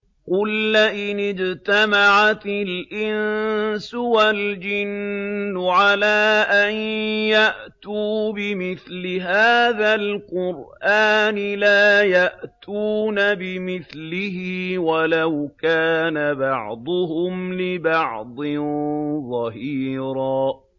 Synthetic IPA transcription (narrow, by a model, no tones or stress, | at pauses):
qʊlːaʔɪnɪd͡ʒt̪amaʕat̪ɪlʔɪnsʊwald͡ʒɪnːʊʕalaːʔanjaʔt̪uːbɪmɪθlɪɦaːðalqʊɾʔaːnɪlaːjaʔt̪ʰuːnabɪmɪθlɪɦɪwalawkaːnabɑʕd̪ˤʊɦʊmlɪbɑʕd̪ˤɪnðˤɑɦiːɾaː